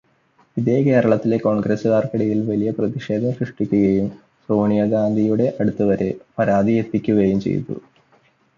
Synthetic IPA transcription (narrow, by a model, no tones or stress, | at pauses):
iðeːke̞ːɾɐɭɐt̪ːile̞ko̞ːɳɡresɨɣaːrkɐɽɐjilʋɐlijɐprɐðiʂe̞ːd̪ʱɐmɕruʂʈikʲːuɣɐjum | so̞ːɳijɐɡaːnd̪ʱijuɽe̞ʔɐɽut̪ːɐʋɐɾepɐɾaːd̪ʱijet̪ːikʲːuɣɐjumt͡ɕe̞̰jt̪ːṵ